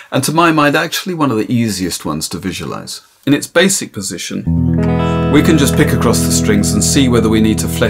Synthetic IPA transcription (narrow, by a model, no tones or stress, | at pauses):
ʔɨ̃ntʰəmãɪmãɪ̃ndæk̚t͡ʃu̥l̩ˠiwʌ̃nʌvðiʔiziɨst̚wʌ̰̃nz̥tʰɨvɪʒwə̰la̰ɪz̥ | ɨ̃nɨtsb̥eɪsɨk̚pʰɨzɪʃɨ̃n | wikɨ̃nd͡ʒʌspɪkɨkʰɹ̥ɔsðəstɹ̥ɪ̃ŋzɨ̃n̩siwɛðə˞winid̚tʰəflɛ